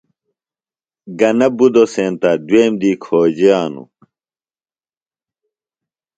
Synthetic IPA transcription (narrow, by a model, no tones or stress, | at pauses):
ɡɐnɐbud̪osẽːnt̪ɐd̪weːmd̪iːkʰoːd͡ʑiaːnṵ